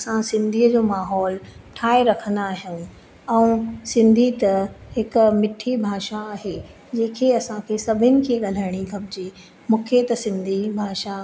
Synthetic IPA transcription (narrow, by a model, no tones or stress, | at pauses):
ɐsãsɪ̃nd̪ʱiːəd͡ʑoːmaːɦɔːlʈʰaːeɾɐkʰə̃nd̪aːɦjũ | ɛ̃ũsɪ̃nd̪ʱit̪ɐɦɪkmɪʈʰibʱaːʃaːɦe | d͡ʑeːkʰeɐsãkʰeːsɐbʱɪnɪ̆kʰeːɠɐl̤əɽ̃ixɐbɪd͡ʑi | mũːkʰet̪ɐsɪ̃nd̪ʱibʱaːʃa